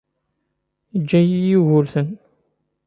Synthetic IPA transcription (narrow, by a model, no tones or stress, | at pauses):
d͡ʒːæjijiɣʊɾθən